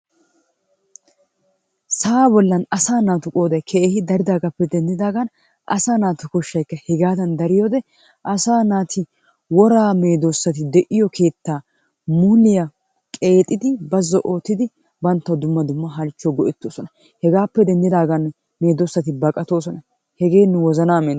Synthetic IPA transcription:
saːbɔlːɐnɐsaːnaːt̪ʊkʼo̞ːd̪ɐjkʰɛʔeːhɪd̪ɐɾɪd̪aːɡɐpːɛd̪ɛnd̪ɪd̪aːɡɐn | ʔɐ̰saːnaːt̪ʊkɔʃːɐjkːɐhɛɡaːd̪ɐnd̪ɐɾɪjoːd̪ɛ | ʔɐsaːnaːt̪ʰɪ | wɔɾaːme̞ːd̪osːɐt̪ɪd̪ɛʔɪjɔkʰe̞ːt̪ːaː | muːlɪjɐ | kʼe̞ːt̪ʼːɪd̪ɪbɐzːɔʔo̞ːt̪ːɪd̪ɪ | bɐnt̪ːɐwd̪ʊmːɐd̪ʊmːɐɦɐlt͡ʃːɔɡɔʔɛt̪ːoːsɔnɐ | hɛɡaːpːɛd̪ɛnd̪ɪd̪aːɡɐn | me̞ːd̪osːɐt̪ɪbɐkʼɐt̪o̞ːsɔnɐ | hɛɡe̞ːnːɛwɔzɐnaːmeː

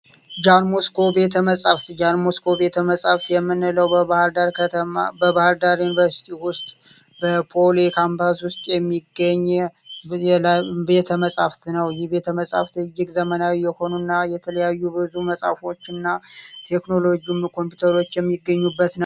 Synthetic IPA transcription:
d͡ʒanmoskʰo̞be̞t̪ʰəməsʼaft̪d͡ʒanmoskʰo̞be̞t̪ʰəməsʼaft̪jɛmːɨnɨləwahɾd̪aɾkʰət̪ʰəmabəbahɨɾd̪aɾjunivəɾsi̥t̪ʰiwʊst̪ʼ | bəpʰolekʰampʰaswʊst̪ʼjɛmːiɡːəɲː | ɛbe̞t̪ʰəməsʼaft̪nəwjɪhbe̞t̪ʰəməsʼa̰ft̪ɨjːɪkʼzəmənawijːɛho̞nunːajɛt̪ʰələjajːubɨzuməsʼa̰fo̞t͡ʃːɪnːat̪ʰe̞kno̞lo̞ɡiumkʰo̞mpjut̪ʰəɾo̞t͡ʃːjɛmːiɡːəɲːubːət̪nəw

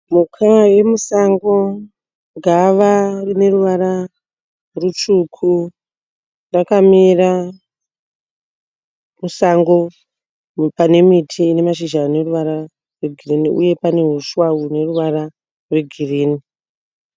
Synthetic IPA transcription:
mukʰawe̞musaŋɡo̞ | ɡʱaʋarine̞ruʋaɾa | rut͡ʃukʰu | ndakamira | musaŋɡo̞ | pane̞mitʰiːne̞maʃiʒane̞ruʋaɾa | rweɡʱiriniṵje̞pane̞ɦuʃwaune̞ruʋaɾa | rwe̞ɡʱiriːni

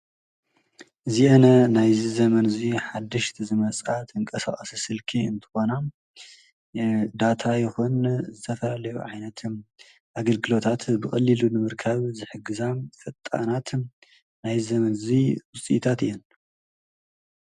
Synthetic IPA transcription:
ʔɨziʔɐnɐnajzizɐmɐnɨziħad̪ːɨʃt̪ʰzɨmɐt͡sʼat̪ʰɨŋkʼɐsa̰χʼɐsisɨlkʰiɨnt̪ʰɨ̥xo̞na | d̪at̪ʰajɪxunzɨt̪ʰɐfɐlalɐjuʕajnɐt̪ | ʔaɡɐlɡɨlo̞t̪ʰat̪bɨxʼɐlːilunɨmɨɾkʰaβzɨħɨɡɨzafʼɐt̪ʼːa̰nat̪ | najzɐmɐnziwʊsʼḭt̪ʰat̪ɨjɛn

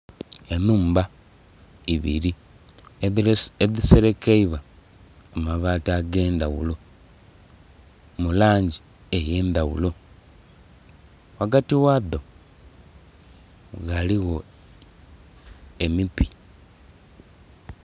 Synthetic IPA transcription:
enuːmba | iβḭɾi | eðiseɾekeiβa | omaβaːtaɡe̞ːnd̪awulo̞ | mulaːɲɟi | eje̞ːnd̪aɣṵlo̞ | waɡatiwaðo̞ | ɣaliɣo̞ | e̞mipi

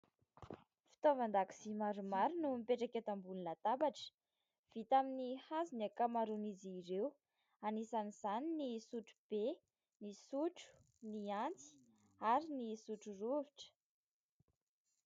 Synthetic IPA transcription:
fi̥t̪ovand̪aki̥z̥imaɾumaɾunumipeʈ͡ʂakʲet̪ambulunat̪abaʈ͡ʂə̥ | v̥it̪aminihazinakamaɾuniziɾew | anisaniz̥aninisuʈ͡ʂu̥b̥e | nisuʈ͡ʂu̥ | niant͡si̥ | aɾinisuʈ͡ʂuruviʈ͡ʂə̥

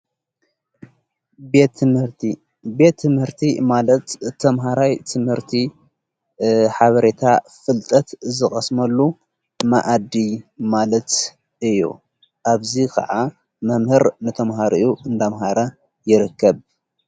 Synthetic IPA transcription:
t̪hɾ | be̞t̪ʰːɨmhɨɾt̪ʰimalɐt̪t̪ʰːɐmɦaɾajt̪ʰɨmhɨɾt̪ʰi | ħaβɐɾe̞t̪ʰafɨlt̪ʼɐt̪zɨxʼɐsmɐlːu | ma̰ʔad̪imalɐt̪ | ʔɨjːṵ | ʔaβzikʰɐ̰ʕa | mɐmhɨɾnɨt̪ʰɐmɦaɾijuɨnd̪amɦaɾɐ | jɪɾɨkʰːɐβ

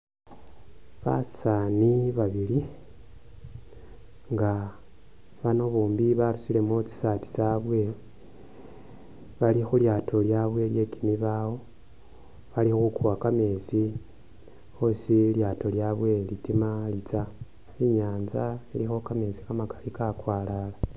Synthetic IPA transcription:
βa̰saniβaβili | ŋɡa | βano̞βuːmbiβaɾusile̞mot͡si̥sati̥t͡saβwe̞ | βalixuljatʰo̞ljaβwe̞lje̞kimiβawo̞ | βalixukuwakame̞zi | osiljaːto̞ljaβwe̞litimalit͡sa | iɲaːnzailixokame̞zi̥kamakḁlikakwaːlala

